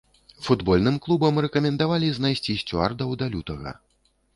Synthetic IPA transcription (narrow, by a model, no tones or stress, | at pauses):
fud̪bɔlʲnɨmklˠubɐmrɛkɐmʲɛnd̪avalʲiznajsʲt͡sʲiɕʲt͡sʲua̰rd̪ɐwd̪alʲut̪ɐɣɐ̰